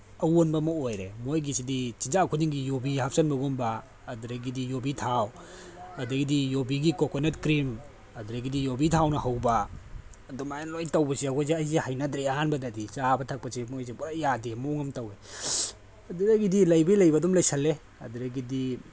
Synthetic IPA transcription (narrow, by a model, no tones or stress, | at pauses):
ɐwonbɐmɔojɾḛmojɡisidit͡ʃind͡ʒakʰudiŋɡijobihap̚ʰsɐnbɐɡɔnbaː | duɾɐɡidijobitʰaw | ɐdɐɡidijobiɡikokonetkɾim | ɐduɾɐɡidijobitʰawnɐhawbaː | dɔmajanlojtɐwbɐsiaɡɔjzeɐjzihajnɐdɾeɐhanbɐdɐdisabɐtʰɐk̚pɐsimojzibɔɾajadimoŋɐmtɐwe | ɐduɾɐɡidilɐjbijlɐjbɐdɔmlɐjsɐlːe | ɐ̰duɾɐɡidi